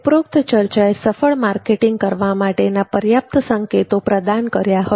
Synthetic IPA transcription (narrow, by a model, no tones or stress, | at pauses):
pɾok̚t̪t͡ʃəɾt͡ʃaesəfəɭmaɾkeʈiŋɡ̚kəɾʋamaʈenapəɾjap̚t̪əsəŋket̪opɾəd̪ankəɾjaɦə